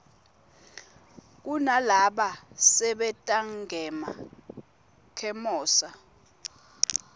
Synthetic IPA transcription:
k̬unalaɓasɛɓɛtʼaŋɡʱɛma | kʰɛmɔːsa

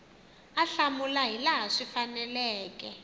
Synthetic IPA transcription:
aɬamulaɦilaɦaʂifanɛlɛːkɛ

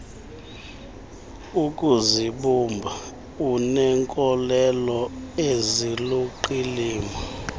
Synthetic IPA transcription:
ukʼuziɓumbʱa | unɛŋkʼɔlɛlɔeziluǃiliːma

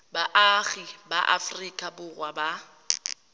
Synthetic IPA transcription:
baʔaɣibaʔa̰frikʼabʊrwaba

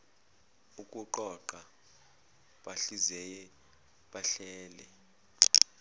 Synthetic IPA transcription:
ukʼuǃɔǃa | ɓaɬizɛjɛ | ɓaɬɛːlɛ

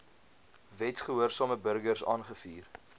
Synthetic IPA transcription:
vɛtχəɦuərsɑːməbərɡərsɑ̰ːnχəfiːr

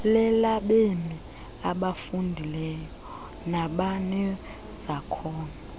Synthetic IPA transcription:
lɛlaɓemi | aɓafundʱilɛjɔ | naɓanɛ | z̥akʰɔːna

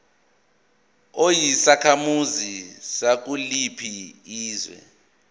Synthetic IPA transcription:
ojisakʰamuzisak̬ulipʰiiːzwɛ̰

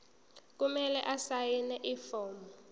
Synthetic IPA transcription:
k̬umɛlɛ̰ʔasajinɛʔifɔːmɔ

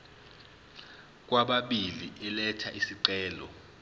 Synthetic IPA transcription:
k̬waɓaɓiliʔɛlɛtʰaʔisiǀɛːlɔ̰

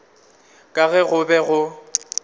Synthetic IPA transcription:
kʼaɣɛɣʊbɛɣʊ

